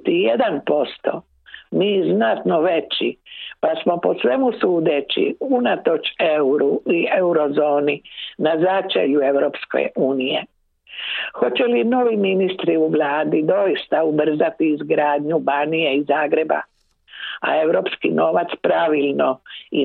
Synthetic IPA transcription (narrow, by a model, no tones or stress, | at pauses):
t̪ijed̪anpo̞st̪o̞̰ | miːznat̪no̞ʋe̞t͡ɕipasmo̞po̞sʋe̞musuːd̪et͡ɕḭunat̪o̞t͡ʃeuɾuieuɾo̞zo̞ːninazat͡ʃḛʎue̞ʋɾopskḛuːnijḛ | xo̞t͡ɕelino̞ʋiminist̪ɾiuʋlˠaːd̪id̪o̞jist̪aubr̩zat̪iːzɡɾaːd̪ɲubanijeizaːɡɾe̞ba̰ | a̰e̞wɾo̞pskḭno̞ːʋat̪spɾaʋilnoi